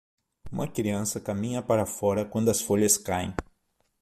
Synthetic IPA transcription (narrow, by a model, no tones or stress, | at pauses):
ũmɐkɾiɐ̃sɐkamĩɲɐpaɾɐfɔɾɐkwɐ̃nd̪ʊɐsfoʎɐskajḛ̃